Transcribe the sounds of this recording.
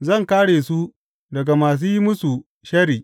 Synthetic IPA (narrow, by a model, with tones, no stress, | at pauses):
zɐ˦˨ŋkaː˦ɽeː˨su˦ | dɐ˨ɡa˨maː˨s̬uː˦ji˦mʊ˦su˨ | ʃɐ˦ɾiː˨